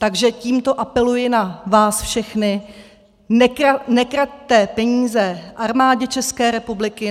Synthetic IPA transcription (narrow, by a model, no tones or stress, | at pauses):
t̪aɡʒɛciːmt̪o̞ʔapɛlujɪnavaːsfʃɛxnɪ | nɛanɛkɾac̚t̪ɛpɛɲiːzɛʔaɾmaːɟɛt͡ʃɛskɛːɾɛpublɪkɪ